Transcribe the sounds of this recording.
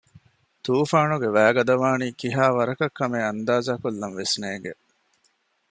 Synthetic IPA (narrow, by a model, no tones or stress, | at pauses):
t̪uːfaːnuɡeʋæːɡɐd̪ɐʋaːniːkiɦaːʋɐɾɐkɐkːɐmeːɐnd̪aːzaːkulːɐnʋesneːɡe